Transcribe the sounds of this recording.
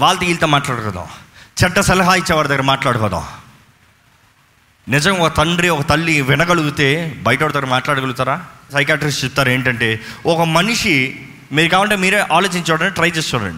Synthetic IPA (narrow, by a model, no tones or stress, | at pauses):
ʋaːlɐt̪ɐiːlt̪eːmaːʈlaːɽukɔːd̪a̰ːmt͡ʃɛɖːɐsɛlɐɦaːit͡ʃːɛːʋaːɾɐd̪ɐɡɐɾɐmaːʈlaːɽukɔːd̪ã̰ː | nɪd͡ʒɐŋɡaɔkɐt̪ɐɳɖɾiɔkɐt̪ɐlːiʋɪnɐɡɐɭuɡut̪e̞ːbɐjʈɐɐɽut̪aːɾɐmaːʈlaːɽɐɡɐluɡut̪aːɾaːsɐjkjaːʈɐɾist͡ʃepːu̥t̪aːɾɐeːɳʈɐɳʈeːɔkɐmɐniʂi | miːɾukaːʋɐɳʈeːmiːɾeːʔaːloːt͡ʃiɲt͡ʃɛːʋɽɐneːʈɾɐjt͡ʃeːst̪uɐ̰ɳɖi